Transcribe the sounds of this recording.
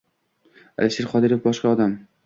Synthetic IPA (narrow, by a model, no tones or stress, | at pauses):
a̰lɪʃeɾχɒd̪ɪɾofbɒʃqɑɒd̪am